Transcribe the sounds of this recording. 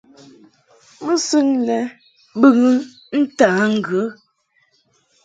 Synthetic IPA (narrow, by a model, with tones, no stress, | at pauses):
mə˦sʉ˦ŋlɛ˨ | bɨ˦˨ŋə˦ | n̩˦taː˨˦ŋ̩˦ɡə˨˦